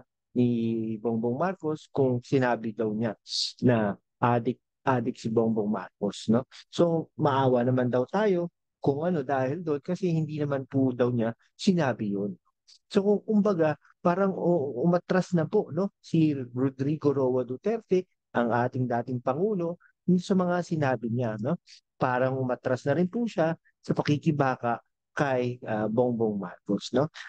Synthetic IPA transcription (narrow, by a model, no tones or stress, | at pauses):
niboŋboŋmaɾko̞skʊŋsɪnaːbɪd̪ɐwɲanɐ | ʔaːd̪ɪk̚ | ʔaːd̪ɪk̚sɪboŋboŋma̰ɾko̞sno̞so̞mɐʔaːwɐnɐmand̪ɐwt̪aːjo̞ | kʊŋʔɐno̞d̪aːhɪld̪onkɐsɛhɪnd̪iːnɐmanpʊd̪ɐwɲa | sɪnaːbɪjon | sokʊŋkʊmbɐɡa | paːɾɐŋoʔʊmɐt̪ɾasnɐpo̞no̞siɾʊd̪ɾiːɡoɾowɐd̪ʊt̪ɛɾt̪ɛ | ʔɐŋʔaːt̪ɪŋd̪aːt̪ɪŋpɐŋuːlo̞ | nsɐmɐŋasɪnaːbɪɲano̞ | paːɾɐŋʔʊmɐt̪ɾasnɐɾɪnpuʃa | sɐpɐkikɪbaːkɐʔ | kɐjʔɐboŋboŋma̰lkosno̞